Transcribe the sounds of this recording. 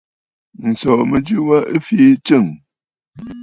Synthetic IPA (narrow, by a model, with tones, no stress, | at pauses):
n̩˨sɔ˨mə˨d͡ʒʉ˦wa˦ʔə˦fiː˦t͡ʃə˦˨ŋ